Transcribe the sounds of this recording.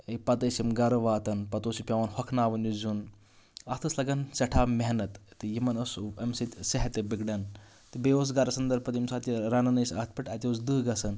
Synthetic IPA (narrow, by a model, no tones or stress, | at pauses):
ɐpɐt̪ɐsimɡɐɾɐʋaːt̪ɐnpɐt̪oːsupʲɐʋɐnhɔkʰnaːʋɐnjuzun | ɐst̪ʰɐslɐɡɐnsɐʈʰaːmeɦnɐt̪t̪ɨjimɐnɐsuɐmsit̪ʲsɐɦɐt̪ebikɖɐn | t̪ɨbeos̬ɡɐɾɐsɐnd̪ɐɾpɐt̪imsaːt̪ʲiɾɐnɐnɐjsʲɐt̪ʰpʲiʈɐt̪ʲosd̪ɨːɡɐsɐn